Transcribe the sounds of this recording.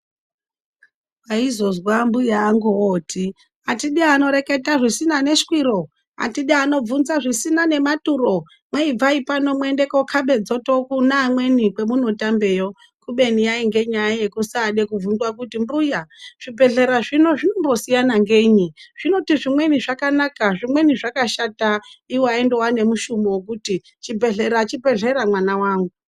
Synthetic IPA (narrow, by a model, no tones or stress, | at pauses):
waizo̞zwambujaːŋɡuwoːtʰi | atiɗiano̞ɾe̞ke̞taʐisinane̞ʃi̥kwiɾo̞ | a̰tiɗiano̞b͡vunzaʐisinane̞maturo̞ | mweib͡vaipano̞mwe̞nde̞ko̞kʰaɓe̞d͡zo̞to̞kunaːmwe̞nikwe̞muno̞tambe̞ːjo̞ | kuɓe̞nijaiŋɡe̞ɲajajekusaːɗe̞kuvunzwakutimbujaʐ̥ibʱe̞ɮe̞ɾaʐino̞ʐino̞mbo̞sijanaŋɡe̞ɲiʐ̥ino̞tiʐimwe̞niʐakanakaʐimwe̞niʐakaʃataiwaendowane̞muʃumowokuti | t͡ʃibʱeɮeɾat͡ʃibʱe̞ɮe̞ɾamwanawaːŋɡu